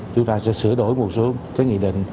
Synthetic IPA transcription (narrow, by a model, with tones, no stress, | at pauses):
t͡ɕʊ˨˦ŋ͡mt̪aː˧sɛ̰˧˥sɨ˧˩əɗo˧˩jmo˨˩t̚so˨˦kaː˨˦jʔḭ˧˨ɗḭ̈˧˨ŋ̟